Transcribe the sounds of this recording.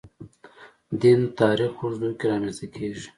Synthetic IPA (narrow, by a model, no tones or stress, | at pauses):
d̪int̪ɑːɾixoʐd̪ujkeɾɑːmeszt̪akʰeʒi̥